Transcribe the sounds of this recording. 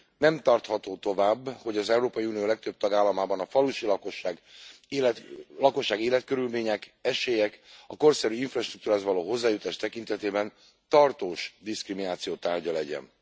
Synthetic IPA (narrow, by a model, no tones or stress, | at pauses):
nɛmt̪ɒrt̪hɒt̪oːt̪o̞vaːbːho̞ɟɒzɛuɾoːpɒjiuːnijoːlɛk̚t̪øb̚t̪ɒɡaːlːɒmaːbɒnɒfɒluʃilɒkoʃaːɡ | lɒko̞ʃːaːɡeːlɛt̪̚kø̞ɾylmeːɲɛkɛʃeːjɛkɒko̞rsɛɾyiɱfrɒʃt̪rukt̪uɾaːzʋɒloːɦo̞zːaːjut̪aːʃt̪ɛkint̪ɛt̪eːbɛn | t̪ɒrt̪oːʃd̪iskriminaːt̪sijoːt̪aːrɟɒlɛɟɛ̰n